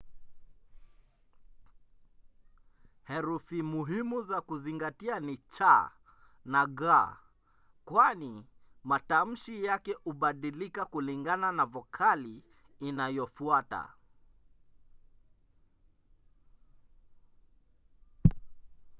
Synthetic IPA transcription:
hɛɾufimuɦimuzakuziŋɡatianit͡ʃa | naɣa | kwanimatam̩ʃijakɛʔuɓaɗilikakuliŋɡananavɔkʰaliː | najɔfuata̰

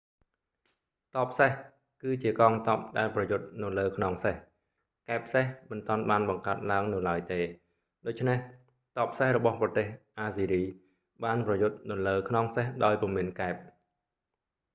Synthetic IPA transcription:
t̪ɑːp̚ʰːseh | kɨːt͡ɕiəkɑːŋt̪ɑːp̚ɗaɛlprɑjʊt̪̚nɨwləːkʰnoŋseh | kaɛp̚ʰːsehmɨnt̪ŏənɓaːnɓɑŋkaət̪̚laəŋnɨwlaəjt̪eː | ɗoːc̚t͡ɕʰneh | t̪ɑːpʰːsehrɔɓɑhprɑt̪eːhʔaːsiːɾiː | ɓaːnprɑjʊt̪̚nɨwləːkʰnoŋsehɗaɔjpɔmiənkaɛp̚

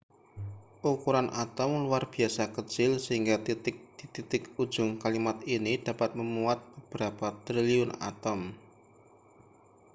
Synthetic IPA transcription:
ʔukuɾanʔat̪ɔmluarb̥i̤asakət͡ʃɪlsəɦiŋɡat̪it̪ɪk̚d̪̥it̪it̪ɪku̥d͡ʒ̥ʊŋkalimat̪̚inid̪̥a̤pat̪̚məmuat̪̚b̥əb̥əɾapat̪ɾiliʊna̰t̪ɔm

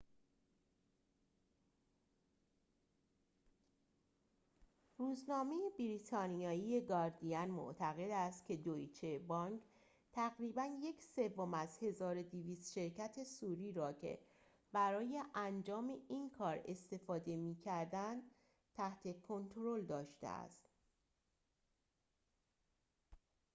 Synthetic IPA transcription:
ruːznɒːme̞jebiɾit̪ʰɒːnijɒːijeɡɒːɾd̪iænmo̰ʔt̪ʰæɣe̞d̪æst̪cʰe̞d̪oit͡ʃʰebɒːŋk | t̪ʰæɣɾiːbænje̞cʰse̞vːo̞mæzhe̞zɒːɾod̪iviːst̪ʃe̞ɾcʰæt̪ʰe̞suːɾiːɾɒːcʰe̞̰ | b̥æɾɒːje̞ʔænd͡ʒɒːme̞ʔiːnkʰɒːɾe̞̰st̪e̞fɒːd̪e̞miːcʰæɾd̪ænd̪̥ | t̪ʰæht̪ʰe̞kʰo̞nt̪ʰɾold̪ɒːʃt̪ḛæ̰st̪

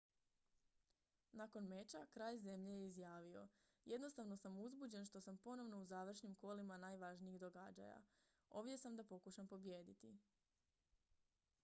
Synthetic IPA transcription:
nako̞nme̞t͡ʃakɾaːʎze̞mʎejeizjaːʋio̞je̞d̪no̞st̪aʋno̞samuzbud͡ʑe̞nʃt̪o̞sampo̞no̞ʋno̞uzaːʋr̩ʃnimko̞ːlimanaːjʋaʒniiɣd̪o̞ɡad͡ʑa̰ja̰ | o̞ʋdje̞samd̪apo̞kuʃampo̞bjeːd̪it̪i

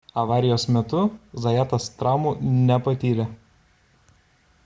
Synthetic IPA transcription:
ɐʋɑːɾʲɪjoːsmʲɛt̪ʊzɐjæːt̪ɐst̪ɾɑˑʊmuːnʲɛpɐt̪ʲiːlʲɛ

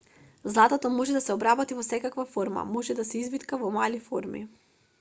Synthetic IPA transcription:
zlˠat̪at̪ɔmɔʒɛd̪asɛɔbɾabɔt̪ivɔsɛkakvafoɾma̰mɔʒɛd̪asɛizbit̪kavɔmalifoɾmḭ

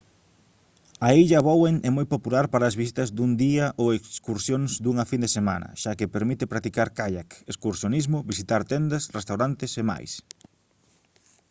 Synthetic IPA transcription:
ɐejʎɐβoweŋʔɛmojpopulaɾpaɾɐːzβis̬it̪ɐzd̪uŋd̪iɐʔoekskuɾsjõŋzd̪uŋɐfind̪esemã̰nɐ̰ʃakɪpeɾmit̪ɪpɾat̪ikaɾkaʎakeskuɾsjonizmʊβisit̪aɾt̪ɛnd̪ɐsrest̪awɾant̪ɪsema̰js

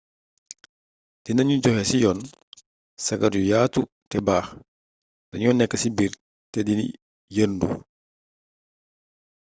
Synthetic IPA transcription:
d̥inɐɲuɟɔxɛsijɔːn | sɐɡɐɾjujaːtu | tɛbaːx | d̥ɐɲɔnɛkːəsibiɾ | tɛdinḭ | jəɾndṵ

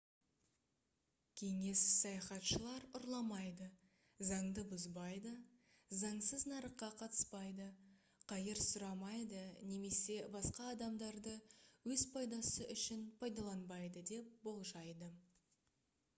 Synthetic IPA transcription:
kʲʰe̞ŋe̞ssɑjɑχɑt̪ʃəlˠɑɾʊɾlˠɑmɑjd̪ə | zɑɴd̪əbʊzbɑjd̪ə | zɑɴsəznɑɾəqːɑqʰɑt̪ə̥spɑjd̪ə | qʰɑjəɾsʊɾɑmɑjd̪əne̞me̞se̞bɑsqɑːd̪ɑmd̪ɑɾd̪əwɵzpʰɑjd̪ɑsəʔʏʃɪnpʰɑjd̪ɑlˠɑnbɑjd̪əd̪e̞p̚bo̞lˠʒɑjd̪ə

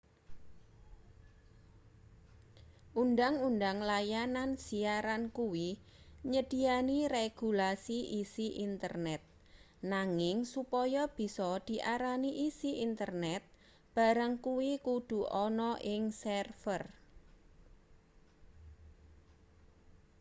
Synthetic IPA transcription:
ʔundaŋundaŋlajanansiaɾankuwi | ɲəd̪̥i̤aniɾeɡ̥ṳlasiʔisiʔint̪ə̰rnɛt̪̚ | naŋɪŋsupɔjɔb̥i̤sɔd̪̥i̤ʔaɾaniʔisiʔint̪ərnɛt̪̚ | b̥a̤ɾəŋkuwikud̪̥ṳʔɔnɔʔɪŋsɛrfər

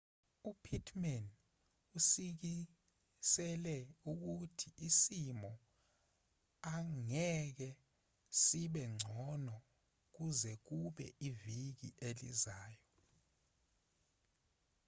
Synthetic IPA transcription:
upʰitʰmɛn | usik̬i | sɛlɛuk̬utʰiʔisimɔ | aŋɛk̬ɛ | siɓɛŋ͡ǀʱɔnɔ | k̬uzɛk̬uɓɛʔivik̬ḭʔelḭzaːjɔ

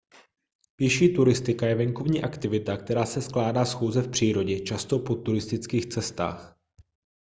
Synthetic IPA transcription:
pjɪʃiːt̪uɾɪst̪ɪkajɛvɛŋko̞vɲiːʔakt̪ɪvɪt̪ak̚t̪ɛɾaːsɛsklaːdaːsxuːzɛfpr̝̥iːɾo̞ɟɛt͡ʃast̪o̞po̞t̪uɾɪst̪ɪt͡skiːxt͡sɛst̪a̰ːx

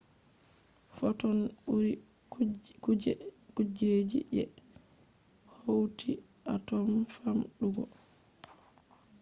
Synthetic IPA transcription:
fɔtɔnuɾi | kɛ | kud͡ʒed͡ʒḭʔɛ̰ | howtʰiʔatɔnfamɗuɡɔ̰

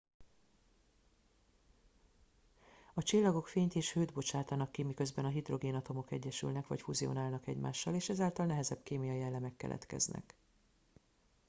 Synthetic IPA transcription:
ɒt͡ʃilːɒɡo̞kfeːɲt̪eːʃhøːd̪bo̞t͡ʃaːt̪aːnɒkːimikø̞zbɛnɒɦid̪ro̞ɡeːnɒt̪o̞mo̞kɛ̰ɟːɛʃy̰lnɛkʋɒ̰cfuzio̞̰naːlnɒkɛɟma̰ːʃːɒleːʃɛzaːlt̪ɒlnɛɦɛzɛbkeːmijɒjiɛlːɛmɛkːɛ̰lʔɛ̰t̪kɛ̰znɛ̰k

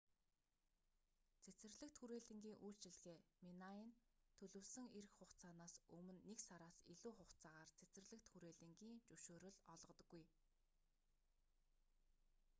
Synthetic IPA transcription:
t͡sʰet͡sɘ̆rɮɘ̆kt̪xuɾeːɮɘ̆ŋɡʲiːŋʔuːɬt͡ɕɪ̆ɮɣeːminaiːnt̪ʰɵɮɵ̆wsɵ̆ŋeɾɘ̆xχʊχt͡saːnaːsɵmɵ̆nːeksaɾaːsiɮuːχʊχt͡saːʁaːrt͡sʰet͡sɘ̆rɮɘ̆kt̪xuɾeːɮɘ̆ŋɡiːŋt͡ɕuʃoːɾɵ̆ɮɔɮʁɞ̆t̪ɞ̆ɡːuj

